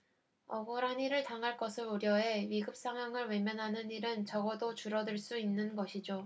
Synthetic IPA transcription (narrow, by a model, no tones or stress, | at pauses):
ʌɡɯɾaniɾɯɭtaŋɦaɭk͈ʌsʰɯɾoɾjʌe̞ɥiɡɯp̚s͈ʰaŋɦwaŋɯɭwe̞mjʌnɦanɯniɾɯnt͡ɕʌɡʌdot͡ɕuɾʌdɯɭs͈uinːɯnɡʌɕʰid͡ʑo